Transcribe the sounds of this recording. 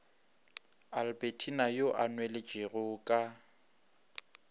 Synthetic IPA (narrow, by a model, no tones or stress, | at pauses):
albetʰinajoʔanwɛlɪd͡ʒeɣʊkʼa